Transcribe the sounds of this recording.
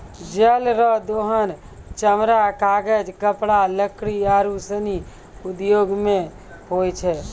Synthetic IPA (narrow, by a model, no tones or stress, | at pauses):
d͡ʒəlɾɔd̪oːɦən | t͡ʃəmɾakaːɡəd͡ʒkəpɽaləkɽiaːɾusəni | ud̪joːɡmẽ | ɦojt͡ʃʰɛ